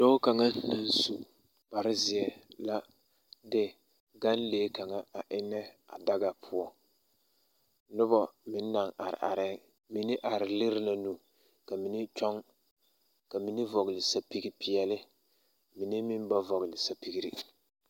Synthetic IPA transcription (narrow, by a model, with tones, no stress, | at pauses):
d̥o˦ka˨ŋa˦na˦n˦su˨ | ba˨ɾɪ˦zɪ˨ɛ˨la˦ | dɪ˦ | ɡa˦nleː˦ka˨ŋa˦a˨ʔɪ˦nɛ˦a̰˨da˦ɡa˨pʰʊ˦ɔ˦ | nʊ˦bɔ˦mɪ˦nː˦a˨ŋʔa˨ɾɪ̰˨ʔa̰˨ɾɛ˦ | mi˨nɪ˦ʔa˨ɾɪ˨lɪ˦ɾɪ˦na˨nu˨ | ka˨mi˨˦ni˦t͡ʃɔ˦ŋ | ka˨mi˦ni˦vɔ˨ɣɪ˨lɪ˨sa˦pi˦ɡi˦pɪ˨ɛ˨lɪ˦ | mi˨ni˦mɪ˦m˦ba˦vɔ˨ɣɪ˨lɪ˨sa˦pi˨ɡi˨ɾḭ˨